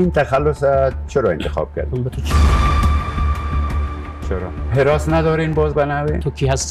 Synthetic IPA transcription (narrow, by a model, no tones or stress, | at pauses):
int̪axalːʊsat͡ʃʰʊɾɔɪnt̪ɪxɔ̰b̥̚ka̰ɾd̪ʊmbət̪ʰot͡ʃʰi | t͡ʃʰʊɾɔ̰hɪɾɔsnad̪ɔɾenbɔzbanawenʰokʰiɦast̪